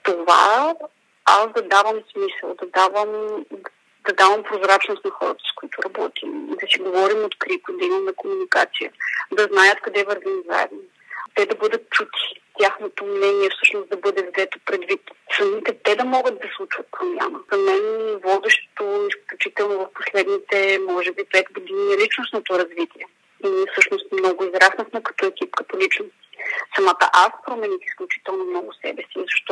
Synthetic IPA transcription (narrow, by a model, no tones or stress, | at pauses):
t̪ova̰ | a̰sd̪ɐd̪avəmsmisə̰lˠd̪ɐd̪avəm | d̪ɐd̪avɐmpɾozɾat͡ʃnost̪nɐxɔɾət̪ə̥skoit̪ʊɾɐbɔt̪imḭd̪ɐsiɡovɔɾimot̪kɾipəd̪ɐimɐmɛkomunika̰t̪sijə̰d̪ɐznajət̪kɐd̪ɛvɐɾɡ̪ɐniza̰ɛ̰vno | t̪ɛd̪ɐbɤd̪ət̪̚t͡ʃut̪ʰi̥t̪ʲjaxnot̪omnɛniɛfsɤʃnosd̪ɐbɤd̪ɛvzɛt̪o̥pɾɛd̪vit̪sɐnit̪ɛt̪ɛd̪ɐmɔɡəd̪̚d̪ɐslˠut͡ʃvɐt̪̚pɾomʲja̰nəzɐmɛnvɔd̪ɛʃt̪o̥t̪oisklʲut͡ʃit̪ɛlˠnovɐfpo̥slɛd̪nit̪ɛmɔʒɛbipɛt̪ɡod̪iniɛlit͡ʃnosnot̪oɾɐzvit̪iɛ | inifsɤʃnost̪mnɔɡʊizɾasnəxmɛkɐ̥t̪ɔɛkʲipkɐt̪olit͡ʃnost̪i̥sɐmat̪ə̰ʔaspɾomɛnixisklʲut͡ʃi̥t̪ɛlˠnomnɔɡʊsɛ̰bɛsiːzɐʃt̪ɔ